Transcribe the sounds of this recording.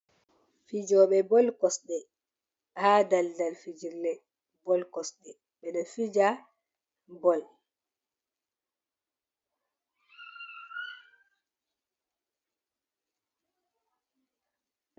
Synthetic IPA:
fid͡ʒɔːɓɛbɔlkɔsɗɛ | haːdaldalfid͡ʒiɾlɛ | bɔlkɔsɗɛ | ɓɛnafid͡ʒa | bɔl

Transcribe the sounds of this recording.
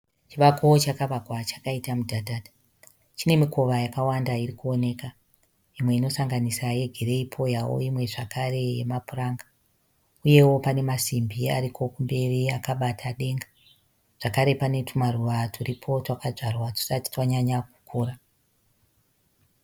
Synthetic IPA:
t͡ʃiʋakoot͡ʃakaʋakwat͡ʃḁkaitamudʱadʱadʱa | t͡ʃine̞miko̞ʋajakawandairikuone̞ka | imwe̞ino̞saŋɡanisaje̞ɡʱeɾe̞ipʰo̞jawo̰imwe̞ʐakare̞jemapuraːŋɡa | uje̞wo̞pane̞masimbia̰ɾikʰo̞kumbe̞riakaɓatʰaɗe̞ŋɡa | ʐ̥akaɾe̞pane̞tumaruʋatʰuripʰo̞twakaʐarwatu̥sati̥twaɲaɲaku̥kʰuːra

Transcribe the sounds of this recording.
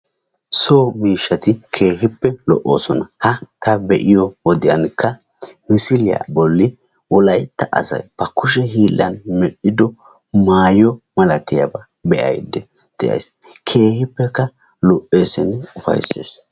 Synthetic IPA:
soːmiːʃːɐt̪ɪkʰe̞ːhɪpːɛlɔ̰ʔo̞̰ːsɔnɐhɐt̪ɐbɛʔɪjɔwɔd̪ɪjɐnkːɐ | mɪsɪlɪja̰bɔlːɪ | wɔlɐjt̪ːɐʔɐ̰sɐ̰jbɐkːʊʃɛɦiːlːɐ̰nmɛɗɪd̪ɔ | maːjɔmɐlɐt̪ɪjɐbɐ | bɛʔɐ̰jd̪ɛ | d̪̥ɛʔɐ̰js | kʰe̞ːhɪpːɛkːɐ | lɔʔe̞ːsɪnʊfɐ̰jsḛːs

